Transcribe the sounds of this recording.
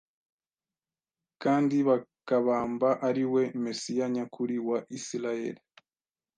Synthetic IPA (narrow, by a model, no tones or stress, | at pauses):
kaːndiβakaβaːmbaʔaɾiwe̞mesijaɲakʰuɾiwaʔisiɾaje̞ɾi